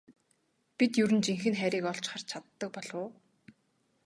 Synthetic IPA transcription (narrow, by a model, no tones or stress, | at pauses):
pit̪jɵɾɘ̆nt͡ɕiŋxɘ̆nχæɾʲiːkɔɮt͡ɕχə̆r̥t͡ɕʰat̪ːə̆k̚pɔɮʊː